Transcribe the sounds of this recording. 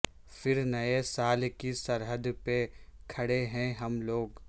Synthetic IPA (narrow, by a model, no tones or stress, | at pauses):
fɪɾnɐesaːlkisɐɾɦəd̪pekʰɐɽeɦɛ̃ɦɐmloːɡ